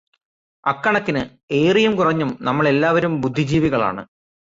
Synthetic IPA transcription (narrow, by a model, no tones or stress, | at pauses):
ɐkːɐɳɐt̪ːinɨ | e̞ːrijumkurɐɲːumnɐmːɐɭe̞lːaːʋɐɾumbud̪ʱːid͡ʑiːʋiɣɐɭa̰ːɳɨ̰